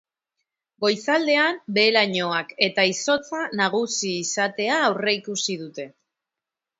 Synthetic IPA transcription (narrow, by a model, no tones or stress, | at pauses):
ɡo̞jsald̪e̞ambe̞ːlaɲo̞ake̞t̪aiso̞t͡sanaɣ̞usiːsat̪e̞aːwre̞ikusið̞ut̪e̞